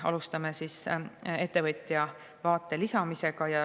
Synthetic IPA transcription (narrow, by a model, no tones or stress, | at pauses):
ɑ̰lust̪ɑme̞sise̞t̪ːe̞vɤt̪ʲˑjɑ | vɑːt̪ːˑe̞lisɑmise̞ɡ̥ɑjɑ